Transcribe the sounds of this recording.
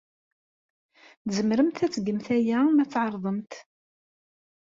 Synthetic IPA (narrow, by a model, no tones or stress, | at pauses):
zəmɾəmt̪æt͡sːɡəmθæjæmæt͡sːʕɑɾˤðˤəmt̪